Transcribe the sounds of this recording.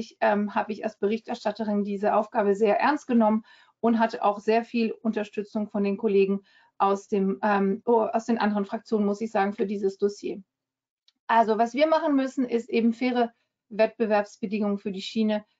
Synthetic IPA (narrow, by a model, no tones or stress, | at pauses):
ɪçʔɛmɦaːbəɪça̰lsb̥əʁ̞ɪçtʔɛɐʃtatəʁɪndiːzəʔaʊfɡ̥aːbəzeːɐʔɛɐnst̚ɡ̥ənɔmən | ʔʊntɦatəʔa̰ʊxz̥eːɐfiːlʊntɐʃtʏt͡sʊŋfɔndeːnkʰoleːɡŋ̩ | ʔaʊsd̥eːmɛːmaʊsd̥eːnʔa̰ndəʁ̞ənfʁ̥ak̚t͡sjoːnənmʊsɪçz̥aːɡŋ̩fyːɐdiːzəsd̥osjḛː | ʔalzovasv̥iːɐmaχn̩mʏsn̩ɪstʔeːbm̩feːʁ̞ə | vɛt̚b̥əvɛɐpsb̥ədɪŋʊŋənfyːɐdiːʃiːnə